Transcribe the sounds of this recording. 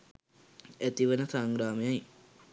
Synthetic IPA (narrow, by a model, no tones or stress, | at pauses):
æt̪iʋənəsaŋɡɾaːmejaj